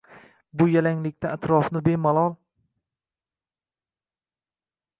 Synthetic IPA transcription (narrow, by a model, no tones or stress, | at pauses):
bʊjalaŋlɪk̚ʲt̪aːt̪ɾɒfnɪbe̞malˠɒlˠ